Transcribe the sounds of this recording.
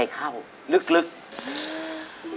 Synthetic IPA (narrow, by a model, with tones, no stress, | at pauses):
jkʰaː˧˩w | lɨ˦˥k̚lɨ˦˥k̚